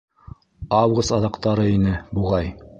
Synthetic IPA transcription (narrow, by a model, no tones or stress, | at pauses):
ɑwɡost̪ɑðɑqt̪ɑɾɤinɘbuʁɑj